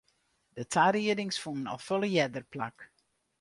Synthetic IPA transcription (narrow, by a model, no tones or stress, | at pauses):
dətʰaɾiədɪŋsfunənɔ̰lfølˠəjɛdərplak